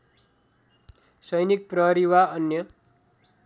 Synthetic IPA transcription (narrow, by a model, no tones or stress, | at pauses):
sʌjnik̚prʌɦʌɾiwaʌnjʌ